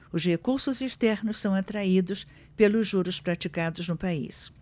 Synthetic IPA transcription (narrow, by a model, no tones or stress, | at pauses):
ʊzhekuɾsʊziʃt̪ɛɾnʊssɐ̃w̃at̪ɾaid̪ʊs | pelʊzʒːuɾʊspɾat͡ʃikad̪ʊznʊpaḭs